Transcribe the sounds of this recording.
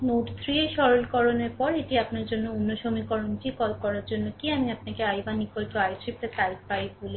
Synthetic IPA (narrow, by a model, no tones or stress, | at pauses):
moʈt̪ʰɾieʃɔɾolkɔɾoneɾpɔɾeʈiapnaɾd͡ʑonːounːoʃomikɔɾonkikɔlkɔɾaɾd͡ʑonːokiamiapnakeajbanːikolʈoajsɾip̚ʈet̪aik̚paibole